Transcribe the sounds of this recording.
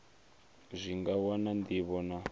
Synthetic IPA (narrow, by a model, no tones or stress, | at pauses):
zʷiŋɡawɔnandiβɔna